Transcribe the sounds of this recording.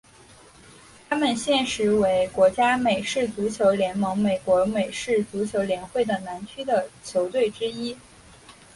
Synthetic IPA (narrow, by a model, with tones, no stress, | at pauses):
t̪ʰa˥mə˨nɕjɛ˥˩nʂɻ̩˧˥we˧˥ɪkwɔ˧˥t͡ɕja˥me˨˩ɪʂɻ̩˥˩t͡su˧˥t͡ɕʰjo˧˥ʊljɛ˧˥nmɤ˧˥ŋme˨˩ɪkwɔ˧˥me˨˩ɪʂɻ̩˥˩t͡su˧˥t͡ɕʰjo˧˥ʊljɛ˧˥nxwe˥˩ɪd̪ə˩na˧˥nt͡ɕʰy˥d̪ə˨t͡ɕʰjo˧˥ʊt̪we˥˩ɪʈ͡ʂɻ̩˥i˥